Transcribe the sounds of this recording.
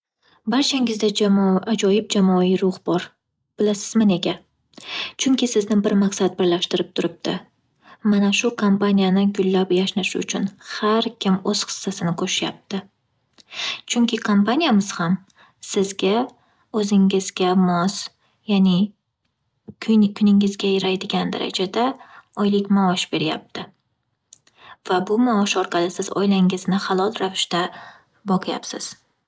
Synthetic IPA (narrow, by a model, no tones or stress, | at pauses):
baɾt͡ʃʰaŋɪzd̪ad͡ʒamʔad͡ʒɒjɪp̚d͡ʒamɒiɾʊhbɒɾ | b̥ɪlasɪzmane̞ɡʲa | t͡ʃʰʊŋkʲɪsɪznɪbɪɾmaqsat̪̚bɪɾlaʃt̪ɪɾɪp̚t̪ʰʊɾɪp̚t̪ʰɪ̰ | manaʃʊkʰompanʲijanɪɡʊlːapjaʃnaʃɪʊt͡ʃʰʊnhaɾkʲʰɪmɵz̥χɨ̥sːasɪnɪkʰɵʃɪjap̚t̪ʰɪ | t͡ʃʰʊŋkʲʰɪkʰompanʲijamɪz̥ham | sɪzɡʲa | ɵzɪŋɪzɡʲamɒs | janɪ | kʰʊnɪŋɪzɡʲajɪɾajd̪ɪɡʲand̪a̰ɾa̰d͡ʒad̪aɒjlɪkʲmaɒʃbe̞ɾja̰p̚t̪ʰɪ | vabʊmaɒʃɒɾqɑlˠɪsɪzɒ̰jlaŋɪznɪχɑlˠɒlˠɾavɪʃt̪a | bɒqʰɨja̰psɪz̥